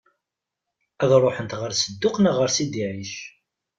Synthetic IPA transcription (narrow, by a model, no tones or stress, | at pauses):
æðrˤoħənt̪ʁəɾsəd̪ːʊqnæʁəɾsid̪iʕiʃ